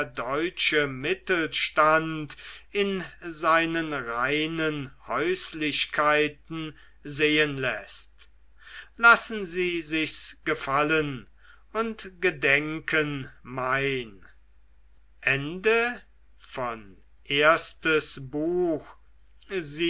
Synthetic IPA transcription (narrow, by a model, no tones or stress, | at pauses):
ɐdɔʏt͡ʃəmɪtl̩ʃtantɪnzaɪnənʁaɪnənhɔʏslɪɕkʰaɪtn̩ | zeːənlɛst | lasn̩ziːzɪçsɡ̥əfalən | ʊntɡ̥ədɛŋkʰənmaɪn | ʔɛndə | fɔn | ʔeːɐstəsbuːx | zi